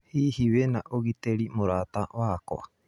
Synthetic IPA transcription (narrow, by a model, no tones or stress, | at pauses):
hihiβenaʔoɣit̪eɾimoɾat̪aβako̰ʔa